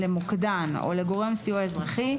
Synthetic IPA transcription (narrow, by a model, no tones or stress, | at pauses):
lemukd̪ano̞̰leɡo̞ʁe̞msijuaezʁaχi